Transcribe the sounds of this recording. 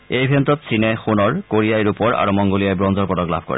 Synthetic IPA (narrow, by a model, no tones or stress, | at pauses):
ejbʱentɔtsinɛxunɔɹkoɹijajɹupɔɹa̰ɹumɔŋɡolijajbɹɔnzɔɹpɔdɔkla̰bʱkɔ̰ɹɛ̰